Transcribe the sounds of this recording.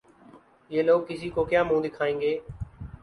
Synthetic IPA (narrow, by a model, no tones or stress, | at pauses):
jeːloːkːɪsiːkoːkjãːmũːd̪ɪkʰaːẽːŋɡeː